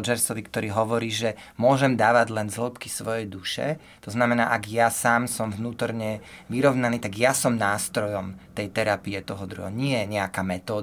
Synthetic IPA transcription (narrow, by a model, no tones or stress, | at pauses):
d͡ʒɛɾsɔʋikt̪ɔɾiːɦɔʋɔɾiːʒɛmʊɔʒɛmd̪aːʋaɟlɛnzl̩pkisʋɔjɛjd̪uʃɛ̰ | t̪ɔznamɛna̰ːʔaɡjasaːmsɔmvnuːt̪ɔɾɲɛʋiɾɔʊnaniːt̪aɡjasɔmnaːst̪ɾɔjɔmt̪ɛjt̪ɛɾapiɛt̪ɔɦɔd̪ɾṵɦɛ̰ɔɲɪɛɲɛakaːmɛt̪ɔː